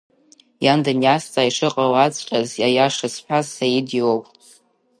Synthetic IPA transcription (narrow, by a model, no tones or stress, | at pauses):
jandanjast͡sʼaiʂɨqʼawat͡sʷʼqʲʼazjajaʂɨsħʷᶣʰazsajidiwowpʼ